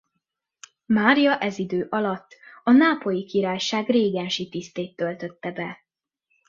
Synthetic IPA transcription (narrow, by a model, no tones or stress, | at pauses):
maːɾijɒʔɛzid̪øːʔɒlɒt̪ːɒnaːpo̞jikiɾaːjʃaːɡreːɡɛnʃit̪ist̪eːt̪ːølt̪ø̞t̪ːɛbɛ